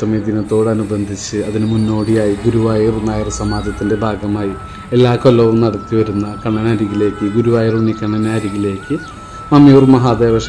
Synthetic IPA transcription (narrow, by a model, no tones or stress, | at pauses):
sɐmɐd̪inɐt̪ːo̞ːɽɐnubɐnd̪ʱit͡ɕːɨɐðinɨmunːo̞ːɽijaːjiɡuɾuʋaːjirnaːjirsɐmaːd̪jɐt̪ːinde̞bʱaːɡɐmaːji | e̞lːaːkolːɐʋumnɐɽɐt̪ːiʋɐɾunːɐkɐɳːɐnaːɾiɣile̞ːkːɨɡuɾuʋaːjirunːikɐɳːɐnaːɾiɣile̞ːkːɨ | mɐmjuːrmɐɦaːd̪eːrɐʂ